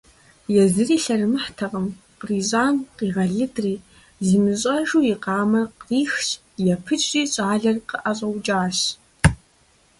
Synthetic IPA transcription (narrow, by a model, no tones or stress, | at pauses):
jazɨriːɬɐrmɨħtʰaqʼəm | qʼriɕʷʼaːnqʼiʁɐɮɨdriː | zɨmɨɕʼɐʒuiqɑːmɐqriːxt͡ʃʼ | japʰɨt͡ʃʼriːɕʷʼaːɮɐrqʼəʔaɕʷʼɐwd͡ʒʼaːɕ